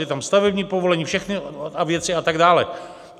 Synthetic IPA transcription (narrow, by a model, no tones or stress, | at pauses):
ɪt̪amst̪avɛbɲiːpovo̞lɛɲiːfʃɛxnɪavjɛt͡sɪat̪aɡdaːlɛ̰